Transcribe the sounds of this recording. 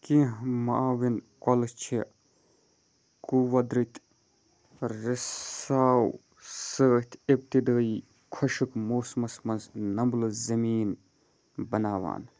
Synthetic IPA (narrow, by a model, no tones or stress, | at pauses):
kĩɦmaʔaːʋinkɐlt͡ʃʰi | kuwɐd̪ɾit̪ | ɾisaːw | səːht̪ʰep̚t̪id̪əːi | kʰɐʃɨkmoːsmɐsmɐnznɐmblɨzɐmiːn | bɐnaːʋa̰ːn